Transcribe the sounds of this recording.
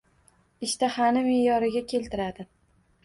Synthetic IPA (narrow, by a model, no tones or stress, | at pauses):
ɪʃt̪ʰahanɪmejɒɾɪɡʲakʲʰe̞lt̪ʰɪɾad̪ɪ